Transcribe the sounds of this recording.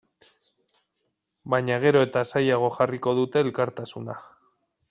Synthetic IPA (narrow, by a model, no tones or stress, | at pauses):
bajɲaɣ̞e̞ɾo̞e̞t̪asajaɣ̞o̞xariko̞ð̞ut̪e̞ːlkaɾt̪asuna